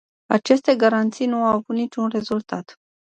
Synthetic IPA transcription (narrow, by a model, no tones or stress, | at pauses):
at͡ʃe̞st̪e̞ɡaɾant̪sijnuawavut̪nit͡ʃunre̞zult̪at̪